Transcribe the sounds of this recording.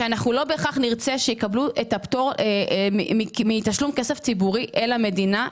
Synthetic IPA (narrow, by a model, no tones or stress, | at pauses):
anaχnulo̞beχaχniʁt͡seʃejekabluʔetaptoʁeimiitaʃlumkeseft͡sibuʁiʔe̞lame̞dina